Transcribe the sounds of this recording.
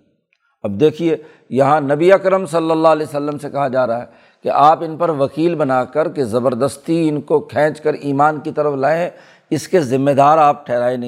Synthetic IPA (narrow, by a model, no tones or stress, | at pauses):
ɐb̚d̪eːkʰieː | jɐɦãnɐbiɐkɾəmsɐlːəlːalɛːsəlːəmsekɐɦad͡ʒaːɾaaɦɛ | kḛʔaːpɪnpɐɾʋɐkiːlbɐnaːkəɾkezɐbəɾd̪əst̪iɪnkokʰɛ̃ːt͡ʃkəɾiːmaːnkit̪ɐɾəflaːẽ | ɪskezɪmːed̪aːɾaːp̚ʈʰɛːɦɾaːenɐɦ